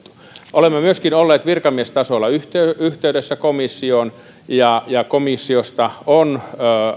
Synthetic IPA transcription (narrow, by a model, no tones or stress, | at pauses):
ʔolemːemyøskinolːeːt̪ʋirkɑmiest̪ɑsolːˑɑyht̪eyht̪eydesːækomisːion | jɑjɑkomisːiost̪ɑon